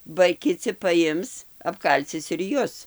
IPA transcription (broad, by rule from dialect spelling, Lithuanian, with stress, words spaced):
bɐ kʲɪˈt͡sʲɪ pɐˈjɪms ɐpˈkɐlʲt͡sʲɪs ɪr ˈjʊs